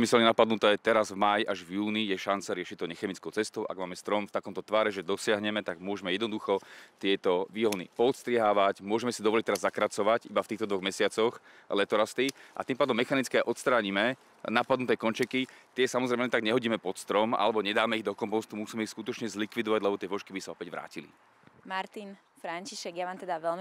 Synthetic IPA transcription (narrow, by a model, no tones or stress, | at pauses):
misɛlɲɛnapad̪nut̪ɛɛt̪ɛɾazvmajʔaʒvjuːnijɛʃant͡saɾɪɛʃict̪ɔɲɛxɛmit͡skɔʊt͡sɛst̪ɔʊʔa̰ɡmaːmɛst̪ɾɔmft̪akɔmt̪ɔt̪ʋaːɾɛʒɛd̪ɔsɪaɦɲɛmɛt̪aɡ̚mʊɔʒɛmɛjɛd̪nɔd̪uxɔt̪ɪɛt̪ɔʋiːɦɔnḭpɔːt̪st̪ɾɪɛɦaːʋacmʊɔʒɛmɛsid̪ɔʋɔlic̚t̪ɛɾazːakɾat͡sɔʋacibaft̪iːxt̪ɔd̪ʋɔɣmɛsɪat͡sɔx | lɛt̪ɔɾast̪iʔa̰t̪iːmpaːd̪ɔmːɛxanit͡skɛaʔɔt̪st̪ɾaːɲimɛ | napad̪nut̪ɛːkɔnt͡ʃɛkit̪ɪɛsamɔzɾɛmɛt̪aɡɲɛɦɔɟiːmɛpɔt̪st̪ɾɔma̰lɛbɔɲɛd̪aːmɛiɣd̪ɔkɔmpɔst̪umusiːmɛixskut̪ɔt͡ʃɲɛzlikʋid̪ɔʋaɟlɛbɔt̪ɪɛʋɔʃkibisaɔpɛɟʋɾa̰ːcilḭ | maɾt̪in | fɾaɲt͡ʃiʃɛɡjaʋaːmt̪ɛd̪aʋɛlm